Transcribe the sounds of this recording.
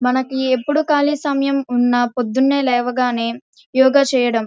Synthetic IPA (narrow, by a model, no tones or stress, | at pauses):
mɐnɐkiepːuɽukaːlisɐmjɐmunːɐpod̪ːunːe̞ːlɛːʋɐɡaːne̞ː | jɔːɡaːt͡ʃɛːjɐɽɐm